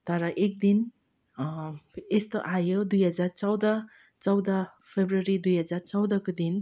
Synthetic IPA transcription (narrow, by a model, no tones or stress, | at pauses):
d̪aɾaʔek̚d̪in | estɔʔajɯdujɦazaɾt͡sawda | t͡sawda | pʰebɾuaɾidujɦazaɾt͡sawdakɯd̪in